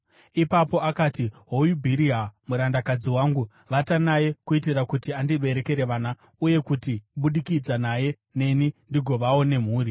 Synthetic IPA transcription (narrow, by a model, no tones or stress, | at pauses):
ipapo̞akaːtiɦojubʱiɾiɦamuɾandakad͡ziwaːŋɡu | ʋatanaje̞kuit̬iɾakutiandiɓe̞ɾe̞ke̞ɾe̞ʋaːna | uje̞kutiɓuɗikid͡zanaje̞ | ne̞nindiɡʱo̞ʋawo̞ne̞m̤uːɾi